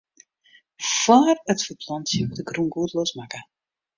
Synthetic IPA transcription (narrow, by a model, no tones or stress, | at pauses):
fwaːrətfəpʰlɔntjəmutəɡrunɡuətlosmakə